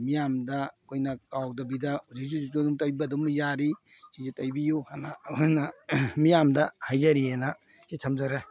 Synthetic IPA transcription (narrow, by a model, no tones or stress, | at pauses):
mijamdɐkʰojnɐkawdɐbidɐhuzik̚suzitonuŋtajbɐdumjaɾi | sizitɐjbijuhanakʰojnɐmijamdɐhajzɐɾiena | sitʰɐmd͡ʒɐɾe